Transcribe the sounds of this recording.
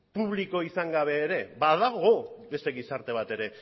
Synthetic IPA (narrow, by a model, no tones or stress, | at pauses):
puβ̞liko̞isaŋɡaβ̞e̞ːɾe̞baðaɣo̞be̞st̪e̞ɣisaɾt̪e̞β̞at̪e̞ɾe̞